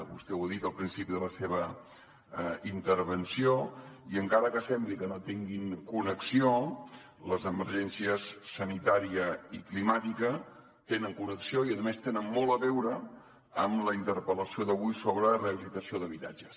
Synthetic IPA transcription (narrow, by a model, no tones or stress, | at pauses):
βṵst̪ɛwəðit̪əlˠpɾinsipiðələseβ̞ə | int̪əɾβənsioiəŋkaɾəkəsɛmblikənot̪iŋɡiŋkunəksio | ləzəməɾʒɛnsiəsːənit̪aɾiəiklimat̪ikə | t̪enəŋkunəksioiəðəmest̪enənmːɔlˠəβɛwɾə | əmləint̪əɾpələsioðəβujsoβɾəreəβilit̪əsioðəβ̞it̪ad͡ʒəs